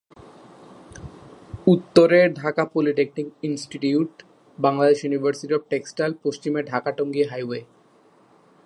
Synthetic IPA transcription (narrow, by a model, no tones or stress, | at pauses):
ut̪ːoɾeɾɖʱakapoliʈek̚ʈiŋinsʈiʈiuʈ | baŋlad̪eʃjunibʱaɾsiʈiɔb̚ʈeksʈalpoʃt͡ɕimeɾɖʱakaʈoŋɡiɦajwe